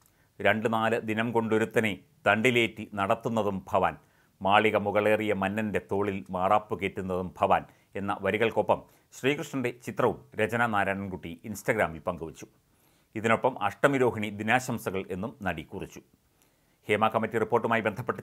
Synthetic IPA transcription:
ɾe̞ɳɖɨnaːlɨd̪inɐmko̞ɳɖo̞ɾut̪ːɐne | d̪ɐɳɖile̞ːtːinɐɽɐt̪ːunːɐðumbʱɐʋa̰ːn | maːɭiɣɐmuɣɐɭe̞ːrijɐmɐnːɐnde̞t̪o̞ːɭilmaːraːpːuke̞ːʈːunːɐðumbʱɐʋaːn | e̞nːɐ̰ʋɐɾiɣɐɭko̞pːɐm | ɕriːkrɨʂɳɐnde̞t͡ɕit̪rɐʋumɾed͡ʑɐnɐnaːɾaːɳɐnkuʈːiinsʈɐɡɾaːmilpɐŋɡuʋɐt͡ɕːu̥ | iðino̞pːɐmɐ̰ʂʈɐmiɾo̞ːɦɐɳid̪inaːɕɐmsɐɣɐɭe̞nːumnɐɽikurit͡ɕːu̥ | he̞ːmaːkɐmːɐtːiripːo̞ːrʈːumaːjibe̞nd̪ʱɐpːeʈːɐ

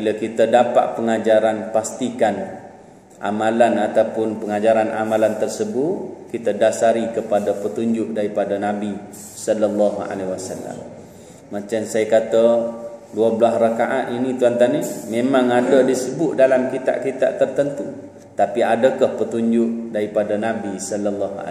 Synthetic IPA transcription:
kilakit̪ədapa̰ʔ̪pəŋad͡ʒaɾanpast̪ikan | ʔa̰malanat̪awpʊnpəŋad͡ʒaɾanʔa̰malant̪ərsəbʊʔ̪kit̪ədasaɾikəpadapət̪uɲd͡ʒʊʔ̚daɾipadanabi | sɔlalːaɦua̰lewasa̰lːa̰mː | at͡ʃamsajakat̪əduəblasrakaʔaʔ̪init̪uant̪animemãŋadədisəbʊʔ̪̚dalamkit̪a̰ʔkit̪a̰ʔt̪ərt̪ənt̪u | t̪apiadakahpət̪uɲd͡ʒʊʔ̚daɾipadanabisɔləlːɔɦa̰

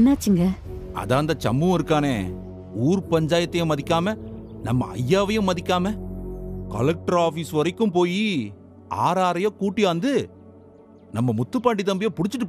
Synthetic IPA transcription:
nːaːt͡ʃːɯŋɡɐɐ̰ðaːnd̪ɐt͡ʃɐ̰mːɯɪɾɯkːaːneː | uːɾpɐɲd͡ʒaːjɐt̪ːɐjʊ̃mːɐðɪkːaːmɐ | nɐ̰mːɐ̰ɐ̰jːaːʋɐjɯ̃mɐðɪkʲːaːmɐ | kɐ̰lɐk̚ʈɐɾaːfiːsʋɐɾɐɪkːɯmpoːji | a̰ːɾaːɾɐjõːkuːʈːiɐːnd̪ɯ | nɐmːɐmʊt̪ːɯpːaːɳɖit̪ɐmbɪjõːpʊɽɪt͡ʃːɪʈ̬ːɯpː

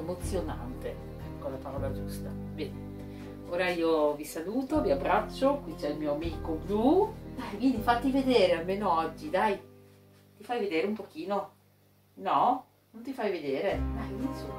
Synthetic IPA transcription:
emot̪sːjona̰nt̪e | kolːapaɾɔːlɾad͡ʒust̪a | bɛːne | oːɾaiːovisaluːt̪oviabːɾat͡ʃːokwit͡ʃɛilmiːoamikoblud̪ajkwind̪ifat̪ːived̪eːɾealmeːnoɔd͡ʒːid̪aj | t̪ifajved̪eːɾeumpok̟iːno | nɔ | nont̪ifajved̪eːɾed̪ajinsom

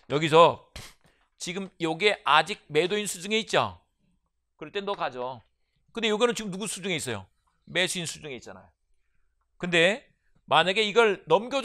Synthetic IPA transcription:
jʌɡis̬ʰʌ | t͡ɕiɡɯmjoɡe̞ʔad͡ʑik̚me̞doinsʰud͡ʑuŋeit̚t͡ɕ͈o̰ | kɯɾʌɭt͈enokad͡ʑo | kɯndejoɡinɯnt͡ɕiɡɯmnuɡusʰud͡ʑuŋe̞is͈ʌjo̰ | me̞sʰuinsʰud͡ʑuŋe̞it̚t͡ɕ͈ana̰jo | kɯnde̞ | maɲaɡe̞iɡʌɭnʌmɡjʌ

